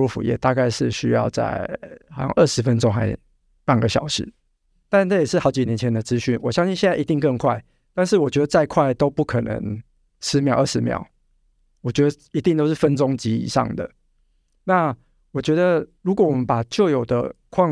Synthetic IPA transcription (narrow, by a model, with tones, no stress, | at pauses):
u˥˩fṵ˨˩jɛ̰˥˧t̪a˥˧ka˥˧ɪʂɻ̩˥˩˨ɕy˥jɑ̰˥˧ʊt͡sa̰˥˩ɪxɑ˨˥ʊɕɑ̰˥˧ŋʔə˥˩ʂɻ̩˧˥fə˦nʈ͡ʂʊ˥ŋxa˧˥ɪ | pa˥˩nɡə˨˩ɕjɑ˨˩ʊʂɻ̩˧˦ | t̪a˥˧ʈ͡ʂa˥˩jɛ˨˩ʂ̩˥˩xɑ˧˥ʊt͡ɕi˨njɛ˧˥nt͡ɕʰɛ˨˦nd̪ə˨t͡sɹ̩˦ɕy˥˩nwɔ˨˩ɕjɑ˥ŋɕi˥˧nɕjɛ˥˧nt͡sa˥˩˨i˧t̪i˥˧ŋkə˥˧ŋkʰwa˥˩ɪ | t̪a˥˧nʂɻ̩˥˩wɔ˨˩t͡ɕɥɛ˧˥d̪ə˧t͡sa˥˧ɪkʰwa˥˩ɪt̪o˥ʊpu˥˩kʰə˨˩nə̰˧˥ŋ | ʂɻ̩˧˥mjɑ˨˩˦ə˥˩ʂɻ̩˧˦˥mjɑ̰˨˦ʊ | wɔ˨˩t͡ɕɥɛ˧˥d̪ə˧i˧˥t̪i˥˧ŋt̪o˥ʊʂ̬ɻ̩˥˩fə˦nt͡sʊ˦ŋt͡ɕi˧˥ḭ˨˩ʂɑ̰˥˩ŋd̪ə̰˩ | na˥˨ | wɔ˨˩t͡ɕɥɛ˧˥d̪ə˨ɻu˧˥kwɔ˧˦wɔ˨˩mə˦npa˨˩t͡ɕjo˥˩ʊjo˨˩ʊd̪ə̰˦kʰwɑ˥˧